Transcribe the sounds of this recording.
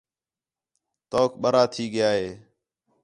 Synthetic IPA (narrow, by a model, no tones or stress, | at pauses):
t̪oːkɓəɾaːt̪ʰiːɠɪjaːɦeː